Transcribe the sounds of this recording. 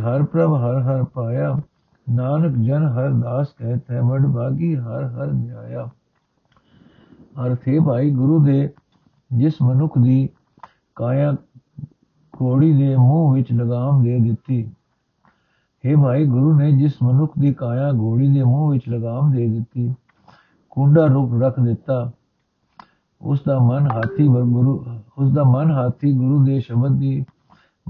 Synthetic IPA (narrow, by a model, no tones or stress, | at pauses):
ɦəɾpɾəbɦəɾɦəɾpaːjaː | naːnəkd͡ʒənɦəɾd̪aːskɛ̃ːt̪ʰɛ̃ːməɖbaːɡiːɦəɾɦəɾdaːjaː | əɾt̪ʰeːbʱaːiːɡʊɾuːd̪eː | d͡ʒɪsmənʊkʰd̪iː | kaːjãː | ɡoːɽiːd̪eːmũːʋɪt͡ʃləɡaːmd̪eːd̪ɪt̪ːiː | heːbʱaːiːɡʊɾuːnẽːd͡ʒɪsmənʊkʰd̪iːkãːjãːɡʱoːɽiːd̪eːmũːʋɪt͡ʃləɡaːmd̪eːd̪ɪt̪ːiː | kʊ̃ɳɖaːɾʊkɾəkʰd̪ɪt̪ːaː | ʊ̰sd̪aːmənɦaːt̪ʰiː | ʊsd̪aːmənɦaːt̪ʰiːɡʊɾuːd̪eːʃəbəd̪d̪iː